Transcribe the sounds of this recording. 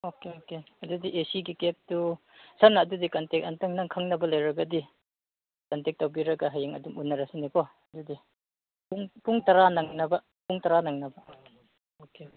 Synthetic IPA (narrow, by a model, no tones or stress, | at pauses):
okeoke | ɐdudiʔesiɡikep̚tu | sanaːdudikɐntek̚ɐntɐŋnaŋkʰaŋnɐbɐlajɾɐɡɐdi | kɐntek̚tawbiɾɐɡaɦajeŋɐdumunːɐɾasinikɔɐdudi | puŋpuŋtɐɾanaŋnɐbɐ | puŋtɐɾanaŋnɐbɐ | okeoke